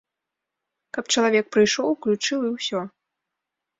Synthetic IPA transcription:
kɐpt͡ʂɐlˠavʲɛk̚pɾɨjʂɔwklʲut͡ʂɨwiwsʲɔ

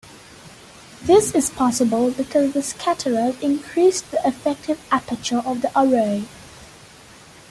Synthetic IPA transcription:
ðɪsɪz̥pʰɑsəbəlˠbɪkʰʌzðəskʰætʰəɹəlɪ̃nkʰɹ̥isðiʔɪfɛk̚tɪvæpət͡ʃəʔəvðiʔəɹoɪ

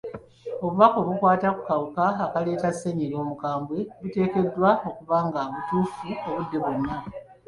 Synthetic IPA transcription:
o̞βuβakoβukwaːtaku̥kawukaːkale̞ːtasːeɲiɾo̞ːmukaːmbwe̞βute̞ːke̞dːwao̞kuβaːŋɡaβutuːfuoβudːe̞βonːa

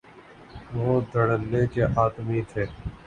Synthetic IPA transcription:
ʋoːd̪ʱəɽənːẽːkeʔaːt̪miːt̪ʰeː

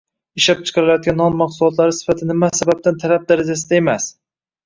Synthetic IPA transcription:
ɪʃlap̚t͡ʃʰɨ̥qʰɑɾɪlajɒt̪̚ɡʲanːɒnmaqsulˠɒt̪laɾɪsɪ̥fat̪ʰɪnɪmasabap̚t̪ʰant̪ʰalap̚d̪aɾad͡ʒas̬ɪd̪ae̞mas

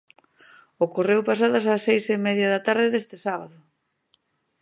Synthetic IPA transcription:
okorewpasaðasasejsɪmɛðjɐðat̪aɾðɪðest̪ɪsaβaðʊ

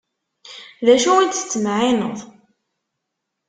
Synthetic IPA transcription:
ðæʃuwənt̪θə̥t͡sːəmʕɪnə̰ðˤ

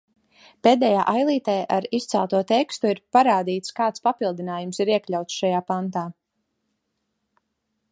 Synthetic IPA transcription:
peːd̪ɛjaːʔajlˠiːt̪ɛːʔaɾist̪sɛ̰lˠt̪uɔt̪ɛkst̪uiɾpaɾaːd̪iːt̪skaːt̪spapilˠd̪inaːjumsiɾiɛklʲawt̪sʃajaːpant̪aː

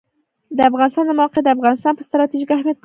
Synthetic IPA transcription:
d̪əafɣɑnɪst̪ɑnd̪əmawɑqed̪əafɣɑnɪst̪ɑnpəst̪ɾɑt̪iʒikahmjat̪̚k

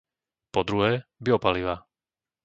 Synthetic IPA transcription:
pɔd̪ɾuɦɛːbiɔpaliʋa

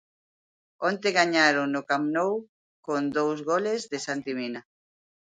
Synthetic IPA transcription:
ont̪eɣaɲaɾonʊkamnow | kond̪owzɣolezðesant̪imina

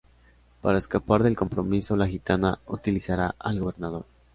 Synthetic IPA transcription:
paɾaeskapaɾðe̞lko̞mpɾo̞miso̞laxit̪anaut̪ilisaɾaʔalɣo̞βe̞ɾnað̞o̞ɾ

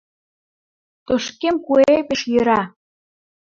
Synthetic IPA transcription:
t̪oʃkemkuepeʃjə̆ɾɑ

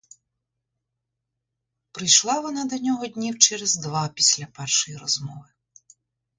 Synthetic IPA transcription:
pɾɪjʃlˠɑʋɔnɑd̪ɔnʲɔɦɔd̪ʲnʲiwt͡ʃɛɾɛzd̪ʋɑpʲisʲlʲapɛrʃɔjiɾɔzmɔʋɪ

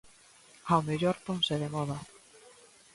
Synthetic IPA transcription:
aomeʎɔɾt̪oŋseðemɔða

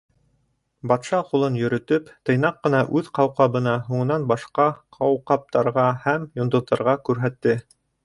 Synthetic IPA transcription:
bɑt̪ʃɑqulˠɤnjɵ̆ɾɵ̆t̪ɵpt̪ɤ̆jnɑqːɤ̆nɑʔʉðqɑwqɑβɤ̆nɑɦuɴɤ̆nɑnbɑʃqɑqʰɑwqɑp̚t̪ɑɾʁɑhæmjŏnd̪ŏðːɑɾʁɑkʉɾɦæt̪ːɘ

